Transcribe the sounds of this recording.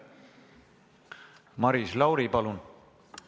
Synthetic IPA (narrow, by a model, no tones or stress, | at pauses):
mɑɾislɑwɾipɑlun